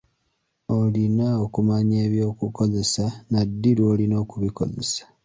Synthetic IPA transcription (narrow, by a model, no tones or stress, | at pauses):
o̞linaokumaɲe̞ːβjo̞ːkuko̞ze̞sanadːiɾwo̞ːlinoːkuβiko̞̰ze̞̰sḁ